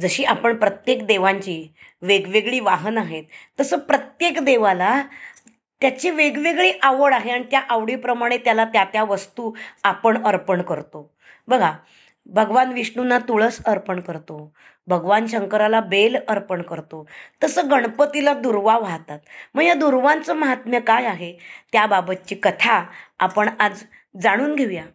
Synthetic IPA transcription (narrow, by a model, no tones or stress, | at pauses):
d͡zəɕiːapəɳpɾət̪jekd̪eʋaɲt͡ɕiːʋeɡʋeɡɭiːʋaɦənaɦet̪ːəsəːpɾət̪jekd̪eʋala | t̪jat͡ɕiːʋeɡʋeɡɭiːʔaʋəɽaɦeaɽ̃it̪jaʔaʋɽipɾəmaɽ̃et̪jalat̪jat̪jaʋəst̪uːapəɳəɾpəɳkəɾt̪o | bəɡʱa | bʱəɡʋanʋiʂɳunːat̪uɭəːsəɾpəɳkəɾt̪o | bʱəɡʋanɕəŋkəɾalabeləɾpəɳkəɾt̪ot̪əsəːɡəɳpət̪ilad̪uɾʋaʋaɦt̪at̪̚məɡjad̪uɾʋãnt͡səməɦat̪mjəkajaɦet̪jababət̪̚t͡ɕiːkət̪ʰaa̰pəɳad͡z | d͡zaɽ̃uːnɡʱeʋja